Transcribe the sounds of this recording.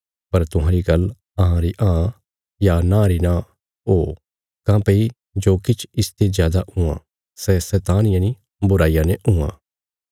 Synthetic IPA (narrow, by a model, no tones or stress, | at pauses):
pɐɾt̪ʊɦãːɾiɡɐl | ɐɦãɾiʔãː | janãːɾinã | oː | kãːpei | d͡ʒoːkɪt͡ʃʰɪst̪ezjaːd̪aʊ̃ã̰ | sɛsɛːt̪aːnɪjãni | bʊɾaːijanɛʔũã̰ː